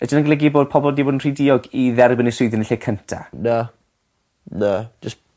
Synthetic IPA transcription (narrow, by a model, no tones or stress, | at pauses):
ədənaɡlˠɛɡiboːd̚pʰɔbɔlˠdiːboːdənr̥idɪɔɡiðɛrbənisʊɨðənɪɬɛkʰəntʰa̰nə | nə̥d͡ʒəs